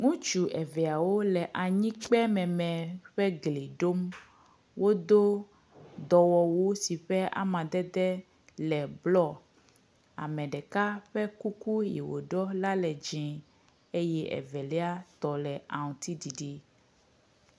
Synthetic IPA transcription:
ŋũ˦t͡ʃu˨ʔɛ˨vɛ˨a˨wo˦lɛ˨ʔa˨ɲĩ˦k͡pɛ˦mɛ̃˨mɛ̃˨ɸɛ˦ɡle˨ɖo˦m | wo˦d̪o˦ | d̪ɔ˨wɔ˨wo˦si˨ɸɛ˦ʔa̰˨mã˨d̪ɛ˦d̪ɛ˦ | lɛ˨blɔ˦˨ | a̰˨mɛ̃˨ɖɛ˨ka˦ɸɛ˦ku˦ku˦jḛ˨wo̰˨ɖɔ˦la˦lɛ˨d͡ʒɛ̃˨ | e˦jɛ˦ʔɛ̰˨vɛ˨lɛ˦a˦t̪ɔ˨lɛ˨a˨ŋ˨t̪i˦di˨ɖi˦

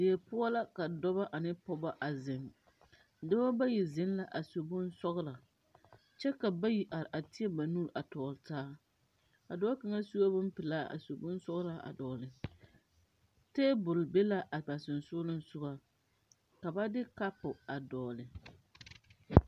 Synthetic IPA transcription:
dɪ˨ɛ˨pʊ˦a˦la˦ka˨dɔ˦ba˦ʔa˨nɪ˦pɔ˦ba˦ʔa˨zɪ˨ŋ | da˦wa˦ba˦ji˨zɪ˨˦n˦la˦ʔa˨so˨bʊ˦nsɔ˦ɣla˨ | t͡ʃɛ˦ka˨ba˦ji˨ʔa˨ɾʔa˨tɪ˦ɛ˦ba˨nuː˦˨ɾʔa˨tɔː˨ltaː˦ | a˨dɔ˦ka˨ŋa˦su˦a˦bʊ˦m˦pɪ˨laː˦ʔa̰˨so˨bʊ˦nsɔ˦ɣla˨a̰˨dɔː˨lɪ˨ | teː˦bʊ˨lbe˦la˦ʔa˨ba˨sɪ˨nsʊ˦lɪ˦n˦sʊ˦ɡa˦ | ka˨ba˦dɪ˦ka˦pʊ˨a˨dɔː˨lɪ˨

